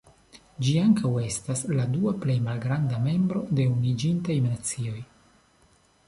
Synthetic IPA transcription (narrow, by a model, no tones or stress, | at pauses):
d͡ʒiaŋkawe̞stasladuaple̞jmalɡɾandame̞mbɾo̞d̪e̞unid͡ʒintajmnat͡sio̞j